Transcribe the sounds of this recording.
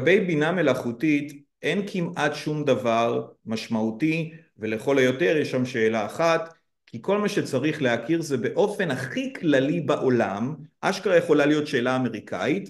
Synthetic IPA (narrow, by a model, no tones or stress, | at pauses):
bejbiname̞laχutit | ʔe̞nkʰimatʃumd̪avaʁmaʃmauti | veleχo̞lojo̞te̞ʁjeʃamʃe̞ːlaːχat̪ | kʰiko̞lmaʃe̞t͡saʁiχleakʰiʁzebe̞ʔo̞fe̞naχiklalibaʔo̞lamʔaʃkaʁajeχo̞lalijo̞tʃe̞ːlaːme̞ʁikʰa̰it